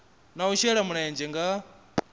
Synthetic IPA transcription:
nauʃɛɺamunajɛnd͡ʒɛŋɡa

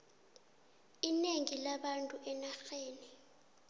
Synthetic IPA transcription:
ineŋilaɓantʼuʔɛnaxeːni

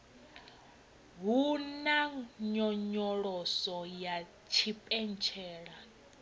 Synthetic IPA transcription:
ɦunaɲɔɲɔɺɔsɔja | t͡ʃʰipʼɛnt͡ʃʰɛːɺa

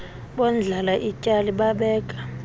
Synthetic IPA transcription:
ɓɔnd͡ɮʱalaʔicʼaliɓaɓɛːkʼḁ

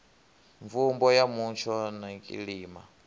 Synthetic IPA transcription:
ɱvumbɔjamunt͡ʃʰɔnaŋkʼḭɺiːma̰

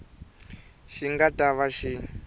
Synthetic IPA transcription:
ʃiŋɡatʼaβaʃi

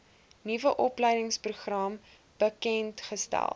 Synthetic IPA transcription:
nivəʔɔplɛjdəŋspruχrɑm | b̥əkɛntχəstæ̰lˠ

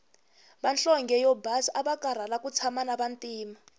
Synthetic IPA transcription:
ɓanɬɔŋɡɛjɔbasaɓakʼaɾ̤alakut͡sʰamanaɓantʼiːma

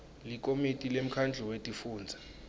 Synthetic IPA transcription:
lik̬ʼomitʼilem̩kʰand͡ɮʱɔwetʼifuːnd͡zʱḁ

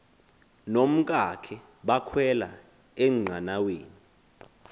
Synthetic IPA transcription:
nom̩k̬ʼakʰɛ | ɓakʰwɛla̰ | ɛŋ͡ǀʱanaweːni

